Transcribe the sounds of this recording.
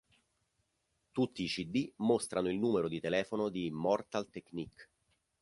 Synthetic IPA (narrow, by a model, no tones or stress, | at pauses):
t̪ut̪ːiːt͡ʃid̪ːimost̪ɾʔanoilnuːmeɾod̪it̪elɛːfonod̪imɔrt̪alt̪ekːnik